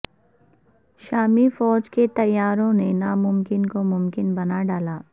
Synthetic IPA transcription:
ʃaːmifɔːd͡ʒket̪ɐjːaːɾõnenamʊmkɪnkomʊmkɪnbɐnaɖaːlaː

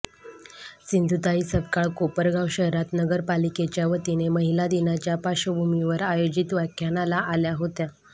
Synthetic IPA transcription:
sind̪ʱut̪aisəbkaɭkopəɾɡawɕəɦɾat̪nəɡəɾpaliket͡ɕjaʋət̪ineməɦilad̪inat͡ɕjapaɕəbʱumiʋəɾajod͡ʑit̪ʋakʰjanalaʔaljaɦot̪ja

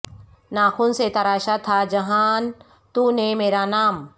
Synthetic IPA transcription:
naːxuːnset̪ɐɾaːʃat̪ʰad͡ʒɐɦaːn | t̪unemeːɾanaːm

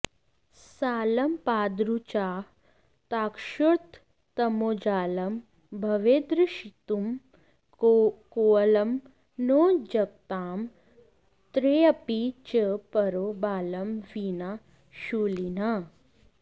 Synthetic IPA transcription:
saːlɐmpaːd̪ɾut͡ʃaː | t̪aːkʃuɾt̪ː | ɐmoːd͡ʒaːlɐm | bʱɐʋeːd̪ɾɨʃit̪um | koːɐlɐm | noːd͡ʒɐk̚t̪aːm | t̪ɾeːɐpit͡ʃəpɐɾoːbaːlɐmʋina | ʃuːlina

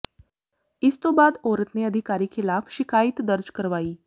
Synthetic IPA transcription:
it͡st̪obad̪oɾət̪neəd̪ʱikaɾiːkelafɕikait̪d̪əɾd͡ʒkəɾʋaiː

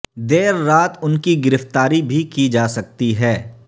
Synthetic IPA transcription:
d̪eːɾːaːt̪ʊnkiɡɪɾəft̪aːɾibʱikid͡ʒaːsɐk̚t̪iɦɛː

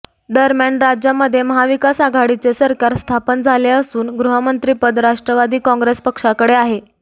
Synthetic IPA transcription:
d̪əɾmjaɳɾad͡ʑjaməd̪ʱːjeməɦaʋikasaɡʱaɽit͡sesəɾkaɾst̪ʰapənd͡zʱaleəsuːnɡɾuɦəmənt̪ɾipəd̪ɾaʂʈɾəʋad̪iːkɔ̃ŋɡɾespəkʂakəɽeaɦe

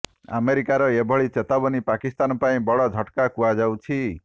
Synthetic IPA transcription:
a̰meɾikaɾɔebʱɔɭit͡ʃet̪abɔnipakist̪anɔpaĩbɔɭɔd̪ʱɔʈkakuad͡ʒawt͡ʃʰi

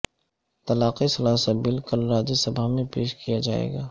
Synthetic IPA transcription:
t̪ɐlaːqisɐlaːsət̪bɪlkɐlɾaːd͡ʒisɐbʱamẽpeːʃkʰijad͡ʒaːḛːɡaː

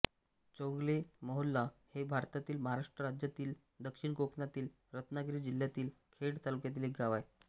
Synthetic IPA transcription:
t͡ɕõŋɡleməɦulːahebʱaɾt̪at̪iːlməɦaɾaʂʈɾəɾad͡ʑjat̪iːl | d̪əkʂiɳkokʰnat̪iːl | ɾət̪naɡɾiːd͡ʑil̤jat̪iːl | kʰeɽt̪alukjat̪̬iːlek̚ɡaʋaj

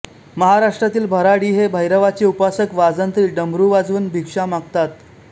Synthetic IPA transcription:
məɦaɾaʂʈɾat̪iːlbʱəɾaɽiːɦebʱəjɾəʋat͡seupasəkʋad͡zant̪ɾiːɖəmbɾuːʋad͡zʋənbʱikʂamaɡt̪at̪

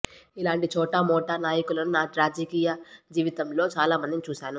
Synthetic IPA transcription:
ilaːɳʈit͡ʃɔːʈɐmɔːʈaːnaːjɐkulɐnunaːɾaːd͡ʒɐkiːjɐd͡ʒiːʋit̪ɐmlo̞ːt͡ʃaːlaːmɐnd̪init͡ʃuːʃaːnu

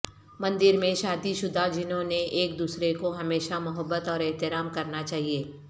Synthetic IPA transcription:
mɐ̃nd̪ɪɾmẽʃaːd̪iʃʊd̪ʱad͡ʒɪnɦõneʔeːk̚d̪uːsɾekoɦɐmeːʃamɐɦəbːət̪ɔːɾɛɦt̪ɪɾaːmkɐɾnat͡ʃaːɦieː

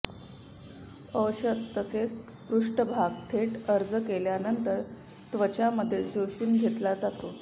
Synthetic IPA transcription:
əwɕəd̪t̪ːəset͡s | pɾuʂʈəbʱaɡt̪ʰeʈəɾd͡zəkeljanənt̪əɾ | t̪ʋət͡ɕaməd̪ʱːjed͡ʑowʂiːnɡʱet̪lad͡zat̪o

